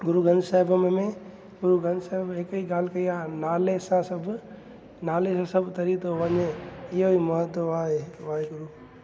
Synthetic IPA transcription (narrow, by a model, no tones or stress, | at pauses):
ɡʊɾuɡʱə̃nd͡ʒ̪saɦɪbmemẽ | ɡʊɾuɡʱə̃nd̪saɪbekiɡaːlkəiãnaːlesãsəb | naːlesãsəbt̪əɾit̪oʋəɲeijoiməɦət̪ːoʋaɦeʋaːeɡʊɾu